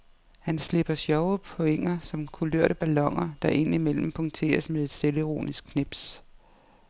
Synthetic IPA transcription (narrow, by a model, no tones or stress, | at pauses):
hænsle̝b̥ɐsjɒʊpʰo̽eŋ̰ɐsɒ̽mkʰuløɐ̰ɾ̥əb̥ælɒ̽ŋ̰ɐd̥ɑ̈ʔe̝n̰imel̰m̩pʰɒ̽ŋt͡sʰe̝̰ːɐsmeðˠe̝d̥sd̥e̝ləiʁo̝̰ːnisɡ̥̚kʰːneb̥s